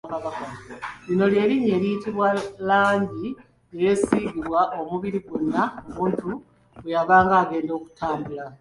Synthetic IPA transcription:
kaβakolino̞lje̞ɾiɲe̞ːlijtiβwalaːɲɟi | ejesiɡiβwaʔo̞muβiɾiɡunːaomuːntu | ejaβaːŋɡaːɡe̞ːndo̞ːku̥tʰaːmbula

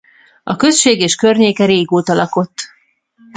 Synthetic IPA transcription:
ɒkø̞sʃeːɡeːʃkø̞rɲeːkɛɾeːɡoːt̪ɒlɒko̞t̪ː

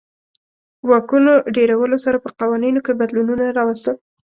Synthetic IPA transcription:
wɑkunoɖeɾawəlosaɾapəqɑwɑninokebad̪lununaɾɑwəst̪əl

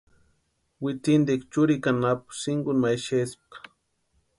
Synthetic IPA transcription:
wɪt̪ɪnd̪ikt͡ʃʊɾikanapʊ̥sɪŋɡʊnmajʃesp̚ḁ

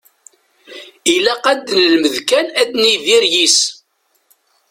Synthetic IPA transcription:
ilæqæd̪ːnlməðkænæd̪niðiɾjis

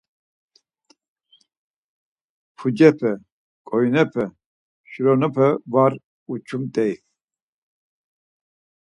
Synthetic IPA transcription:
pʰud͡ʒɛpʰɛ | kʼɔjnɛpʰɛ | ʃɾɔnupʰɛvaɾ | ut͡ʃʰumt̪ʼɛj

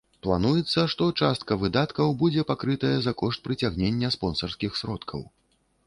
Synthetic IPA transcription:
plˠanujɛt̪sːɐʂt̪ɔt͡ʂast̪̚kɐvɨd̪at̪kɐwbud͡zʲɛpakɾɨt̪ɐjɐzakɔʂt̪̚pɾɨt͡sʲaɣnʲenʲːɐspɔnsɐrskʲixsɾɔt̪kʰɐ̰w

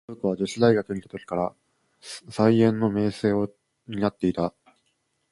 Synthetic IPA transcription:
ɯkɯβad͡ʑoɕid̪aiɡakɯ̟ɲ̟it̪ḁt̪o̞kʲi̥kaɾa | saiẽ̞nːo̞me̞ːse̞ːo | ɲ̟inat̪ːe̞it̪a

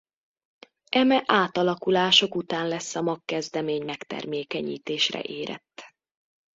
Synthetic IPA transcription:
ʔɛmɛʔaːt̪ɒlɒkulaːʃo̞kut̪aːnlɛsːɒmɒkːɛzd̪ɛmeːɲmɛkt̪ɛ̰rmeːkɛɲḭːt̪eːʃrɛ̰ʔeːɾʔɛ̰t̪ː

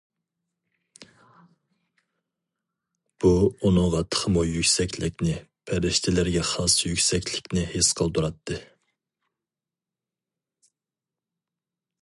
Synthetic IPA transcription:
b̥uunɨŋʁɑt̪ʰə̥χʰəmujykʲsɛkʲlɪkʲnɪpʰɛɾɪʃt̪ʰɪlɪɾɡʲɛχɑsjykʲsɛkʲlɪkʲnɪhesqʰəlˠd̪uɾɑt̪ʰːɨ

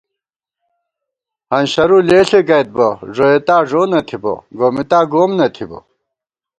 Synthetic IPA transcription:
hɐnɕɐɾuleːɬekɐjt̪̚boʐoet̪aːʐoːnɐt̪ʰibo̰ɡoːmit̪aːɡoːmnɐt̪ʰibo̰

